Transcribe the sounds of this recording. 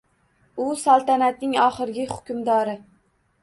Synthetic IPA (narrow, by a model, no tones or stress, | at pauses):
ʊsalˠt̪anat̪̚nɪŋɒχɨɾɡʲɪhʊkʲʊmd̪ɒɾɪ